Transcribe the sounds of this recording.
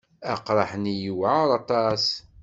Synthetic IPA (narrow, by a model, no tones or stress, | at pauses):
æqɾˤɑħənijəwʕaɾˤɑt̪ˤɑs